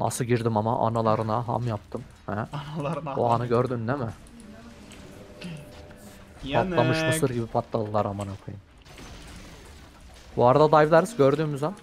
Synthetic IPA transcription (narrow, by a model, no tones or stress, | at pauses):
na̰sɯɟiɾd̪imamaʔa̰nalˠaɾɯnaɦa̰mjap̚t̪ʰɯm | hæ | o̰anɯɟøɾd̪ynd̪ɛmɪ | alˠamɯʃmɯsɯɾɡɟibipʰat̪lˠalˠɯlˠaɾamanapʰɯjɯn | b̥uaɾad̪ad̪ajvlˠaɾɯzɟøɾd̪yːmyzɛm